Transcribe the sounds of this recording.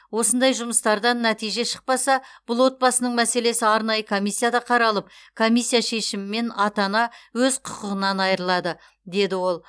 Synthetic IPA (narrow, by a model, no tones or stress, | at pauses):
wo̞sənd̪ɑjʒʊməst̪ɑɾd̪ɑnːæt̪ijʒe̞ʃə̥q̚pɑsɑb̥ʊlˠwo̞t̪̚bɑsənəɴmæse̞le̞sɪɑɾnɑjəkʰo̞mijsːijad̪ɑqʰɑɾɑlˠəp̚kʰo̞mijsːijaʃe̞ʃɪmɪme̞nɑt̪ɑnɑwɵzqʰʊqəʁənɑnɑjəɾəlˠɑd̪ə | d̪e̞d̪ɪwo̞lˠ